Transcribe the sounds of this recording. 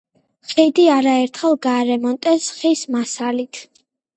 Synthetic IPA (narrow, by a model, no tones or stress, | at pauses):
χɛd̪iaɾaɛɾt̪ʰχɛlˠɡaːɾɛmɔnt̪ʼɛsχismasalit̪ʰ